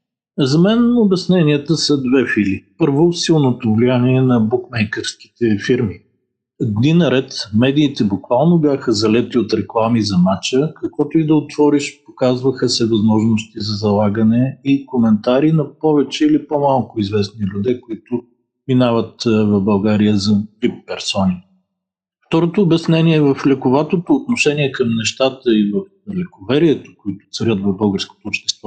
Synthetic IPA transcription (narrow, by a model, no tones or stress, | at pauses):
zɐmɛnobɛsnɛniət̪əsəd̪vɛfilipɤɾvosilˠnot̪ʊvlijaniɛnɐbukmɛjkɛɾski̥t̪ɛfiɾmi | d̪ninɐɾɛt̪mɛd̪iːt̪ɛbʊkvalˠnobjaxəzɐlɛt̪iot̪ɾɛklˠamizɐmat͡ʃəkɐkvɔt̪ʊid̪ɐot̪v̥ɔɾiʃpokazvəxəsɛvɐzmɔʒnost̪izɐzɐlˠaɡənɛikomɛnt̪aɾinɐpɔvɛt͡ʃɛilipomalˠkʊizvɛsnilʲud̪ɛkoit̪ʊ | minavət̪vɐvbɐlˠɡaɾijəzɐbipːɛɾsɔni | ft̪ɔɾot̪oːbjɛsnɛniɛvɐflɛkʊvat̪ot̪oːt̪noʃɛniɛkəmnɛʃt̪at̪əivəf | lɛkovɛɾiɛt̪o̥kʊit̪ʊ̥t̪sɐɾʲət̪vɐvbɤlˠɡəɾsko̥t̪oːpʃt̪ɛ̥st̪vɔ